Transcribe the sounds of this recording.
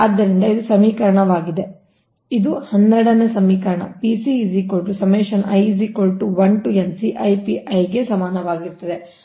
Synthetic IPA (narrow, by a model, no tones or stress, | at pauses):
aːd̪ːɐɾind̪ɐid̪usɐmiːkɐɾɐɳɐʋaːɡid̪e̞ | id̪uhɐnːɛɽɐnesɐmiːkɐɾɐɳɐ̰pisizikoɭʈusɐmeːʃɐnɐjzikoɭʈuʋɐɳʈuensiʔɐjpiʔɐjɡe̞sɐmaːnɐʋaːɡiɾt̪ɐd̪e